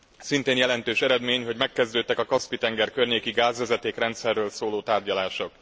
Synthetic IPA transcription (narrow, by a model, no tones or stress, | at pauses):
sint̪eːnjɛlɛnt̪øːʃɛɾɛd̪meːɲɦo̞ɟmɛkːɛzd̪øːt̪ːɛkɒkɒspit̪ɛŋɡɛrkørɲeːkiɡaːzʋɛzɛt̪eːkrɛnt̪sɛrːøːlsoːloːt̪aːrɟɒlaːʃo̞k